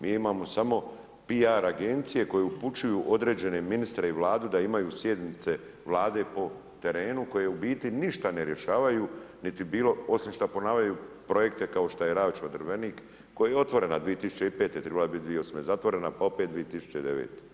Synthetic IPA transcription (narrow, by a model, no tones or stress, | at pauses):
mʔiːimaːmo̞samo̞ | piaɾaɡe̞nt̪sije̞ko̞jeuput͡ʃujuːʔo̞d̪ɾeːd͡ʑe̞ne̞minist̪ɾeiʋlaːd̪ud̪aimajuːsje̞d̪nit̪se̞ | ʋlˠaːd̪e̞po̞ | t̪e̞ɾe̞ːnuko̞jeeubiːt̪iniʃt̪ane̞ɾje̞ʃaːʋajunit̪ibiːlo̞o̞simʃt̪apo̞naːʋʎajuːpɾo̞je̞kt̪e̞kao̞ʃt̪ajeɾaːʋt͡ʃod̪r̩ʋeniːkː | o̞jajeo̞t̪ʋo̞ɾe̞nad̪ʋije̞t̪isut͡ʃe̞ipeːt̪ːet̪ɾebalabit̪̚d̪ʋieosmezat̪ʋo̞ɾe̞napao̞pet̪̚d̪ʋije̞t̪isu̥t͡ʃeid̪e̞̰ʋḛːt̪e